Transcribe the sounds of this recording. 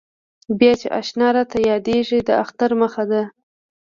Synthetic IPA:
bjɑt͡ʃeʔɑ̰ʃnɑɾɑt̪ajɑd̪eʒid̪əaxt̪aɾməxad̪a

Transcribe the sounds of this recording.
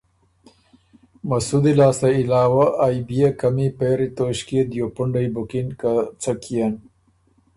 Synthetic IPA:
mɐsud̪ilɑːst̪aɪlɑːwaʔːjbijakamipeɾit̪oɕkid̪jopʊɳɖajbʊkinkat͡sakʰijan

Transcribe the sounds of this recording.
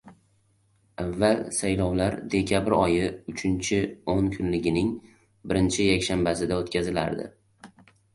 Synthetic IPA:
avːalsajlɒwlaɾd̪e̞kʲʰabɾɒjɪʊt͡ʃʰɪnt͡ʃʰɪoŋkʰʊnlɪɡʲɪnɪŋ | bɪɾɪnt͡ʃʰɪjakʲʃambasɪd̪aot̪kʲʰazɪla̰ɾd̪ɪ̰

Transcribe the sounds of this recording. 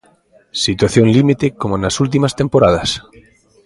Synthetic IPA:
sit̪waθjõŋlimit̪ekomonasult̪̬imast̪empoɾaðɐs

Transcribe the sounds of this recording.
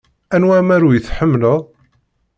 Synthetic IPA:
ænwæmæɾujəθħəmːləðˤ

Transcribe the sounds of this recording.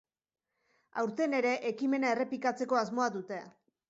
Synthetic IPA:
a̰wɾt̪e̞ne̞ɾe̞ʔekime̞nae̞re̞pikat͡se̞ko̞azmo̞aðut̪e̞

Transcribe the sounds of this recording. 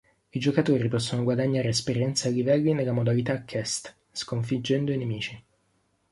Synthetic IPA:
id͡ʒokat̪oːɾipɔsːonoɡwad̪aɲːaːɾespeɾjɛnt̪saalːivɛlːinelːamod̪alit̪akʰːɛst̪ | skoɱfid͡ʒːɛnd̪oinemiːt͡ʃi

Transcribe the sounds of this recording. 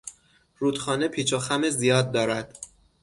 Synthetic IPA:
ɾuːt̪xɒːnepʰiːt͡ʃʰoxæmezijɒːd̪̚ːɒːɾæd̪̥

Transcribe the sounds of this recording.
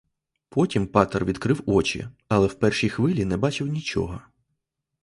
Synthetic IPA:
pʰɔtʲimpɑt̪ɛrʋʲid̪kɾɪwɔt͡ʃḭɐlˠɛwpɛrʃijxʋɪlʲinɛbɑt͡ʃɪwnʲit͡ʃɔ̰ɦɔ

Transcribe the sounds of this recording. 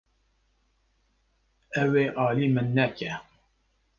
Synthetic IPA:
ɛweːʔɑːliːmɨnːɛcɛ

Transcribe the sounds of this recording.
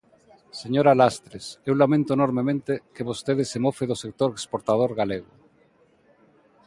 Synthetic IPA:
seɲoɾalast̪ɾesewlamẽnt̪oenoɾmemẽnt̪ekeβost̪eð̞esemofeðosek̚t̪oɾekspoɾt̪að̞oɾɣaleɣʊ

